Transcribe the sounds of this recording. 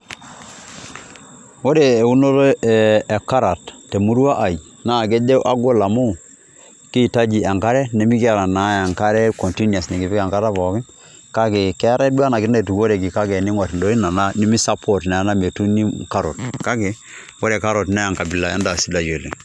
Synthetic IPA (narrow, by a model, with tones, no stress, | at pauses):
wo˦ɾeː˨u˦no˦lo˦˨ɛ˨ka˦ɾa˨ttːe˨mu˦ɾwa˦ʔa˨i˨ | na˦˨k̬e˦d͡ʒe˦ʔa˦ɡo˦la˨mo˦˨ | ki˦˨ta˦d͡ʒi˨a˨ŋka˦ɾɛ˦ne˦mi˦ka˦˨ɾa˨na˨˦a˨ŋka˦ɾɛ˦ko˨nti˦nja˨sni˨ki˨fɪ˦ka˨ŋka˦ɾa˦pɔ˨kɪ˦ | ka˦ke˨kɛ˦ɾa˦dwa˦na˨kɪ˦na˨tu˨ko˦ɾe˨k̬i˨ka˦kɛ˨ni˦ŋwa˨tndo˨˦i˦na˨na˦ni˦mi˦sa˦pʰo˨tnɛ˨na˦me˨tu˦ni˦ka˦ɾo˨tka˦ke˨ | wo˦ɾe˨ka˦ɾo˨tnɛ˦a˨ŋka˨bi˨la˨a̰˦da˨si˦da˨jo˨lḛ˨ŋ